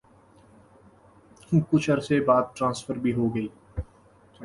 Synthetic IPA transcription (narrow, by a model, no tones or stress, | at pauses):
kʊt͡ʃʰɐɾsebaːd̪̚ʈɾãːnsfəɾbʱiɦoɡɐiː